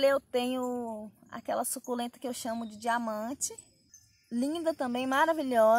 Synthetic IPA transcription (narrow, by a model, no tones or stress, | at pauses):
lewt̪ẽɲʊa̰kɛlɐsukulẽt̪ɐ̥kɪewʃɐ̃mʊd͡ʒɪd͡ʒiamɐ̃t͡ʃɪ | lĩd̪ɐt̪ɐ̃mbẽj̃maɾaviʎɔ